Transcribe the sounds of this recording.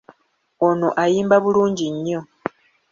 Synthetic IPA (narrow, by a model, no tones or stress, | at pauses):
ono̞ʔajiːmbaβuluːɲɟiɲːo̞